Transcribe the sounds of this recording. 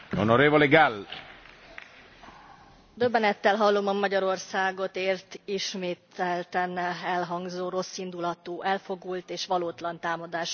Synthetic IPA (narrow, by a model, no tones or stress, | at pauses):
onoɾeːvoleɡal | d̪ø̞bːɛnɛt̪ːɛlɦɒlːo̞mɒmɒɟɒɾo̞rsaːɡo̞t̪eːrt̪iʃmeːt̪ɛlt̪ɛnɛlɦɒŋɡzoːro̞sːind̪ulɒt̪uːʔɛlfo̞ɡult̪eːʃʋɒloːt̪lɒnt̪aːmɒd̪aːʃ